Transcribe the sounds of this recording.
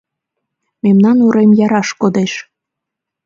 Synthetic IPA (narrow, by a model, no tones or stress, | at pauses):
memnɑnuɾemjɑɾɑʃkod̪eʃ